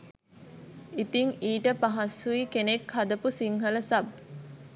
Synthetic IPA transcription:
it̪iŋiːʈəpaɦɐsːuikenekhɐd̪əpusiŋɦələsɐb

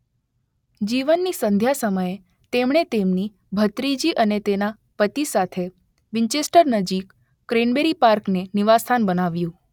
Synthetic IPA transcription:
d͡ʒiʋənːisənd̪ʱjasəməje | t̪emɽ̃et̪emni | bʱət̪ɾid͡ʒiʔənet̪ena | pət̪isat̪ʰe | ʋiɲt͡ʃesʈəɾnəd͡ʒikː | ɾenbeɾipaɾkneniʋast̪ʰanbənaʋjũ

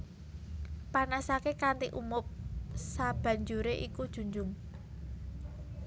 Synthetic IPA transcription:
panasakekant̪iʔumʊp̚sab̥ä̤ɲd͡ʒuɾeʔikud̥ʒ̥ṳɲd͡ʒʊŋ

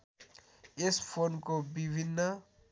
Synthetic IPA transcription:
ɪspʰoːnkobibʱinːə

